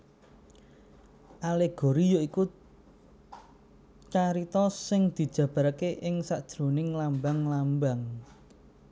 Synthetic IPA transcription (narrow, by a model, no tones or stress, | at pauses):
ʔaleɡ̥o̤ɾijoiku | t͡ʃaɾit̪ɔsɪŋd̪̥i̤d̥ʒ̥ä̤b̥a̤ɾkeʔɪŋsad̥ʒ̥ɾo̤nɪŋlambaŋlambaŋ